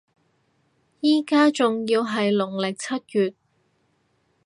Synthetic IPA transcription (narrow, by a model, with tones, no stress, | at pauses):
jiː˥kaː˥t͡sʊ˨ŋjiː˧wɦɐ˨jlʊ˨˩ŋlɪ˨k̚t͡sʰɐ˥t̚kyː˨t̚